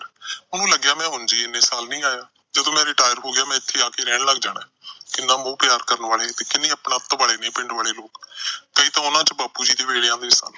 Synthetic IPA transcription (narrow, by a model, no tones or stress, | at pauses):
ʊnũːləɡjaːmɛ̃ːɦʊnd͡ʒiːɪnːeːsaːlnĩːaːjaː | d͡ʒəd̪õːmɛ̃ːɾɪʈaːjəɾɦoːɡɪjaːmɛ̃ːɪt̪ʰːeːaːkeːɾɛːɳləɡ̚d͡ʒaːɽãːkɪnãːmõːpjaːɾkəɾnʋaːɭeːt̪eːkɪnːeːəpɳãːt̪baːɭeːnẽːpɪɳɖʋaːɭeːloːkkəiːt̪ãːʊnãːt͡ʃbaːpuːd͡ʒiːd̪eːʋeːɽejãːd̪eːsə̰n